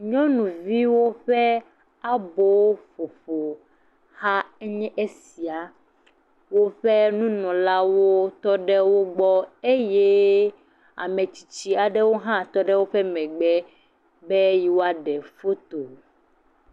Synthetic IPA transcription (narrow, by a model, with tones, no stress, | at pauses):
ɲɔ̃˦nũ˨vi˦wo˦ɸɛ˦ | a˦bo˦wfo˨ɸo˨ | ha˦ɛ˦ɲɛ̃˦ʔe˦si˨a˨ | wo˦ɸɛ˦nũ˦nɔ̃˨la˦wo˦t̪ɔ˦ɖɛ˦wo˦ɡ͡bɔ˦e˦je˦ | a̰˨mẽ˨t͡ɕi̥˨t͡ɕi˦a˨ɖɛ˦wo˦ɦã˦˨t̪ɔ˦ɖɛ˦wo˦ɸɛ˦mɛ̃˨ɡ͡bɛ˦ | bɛ˦ji˦wo˦a˦ɖɛ˨fo˦t̪o˨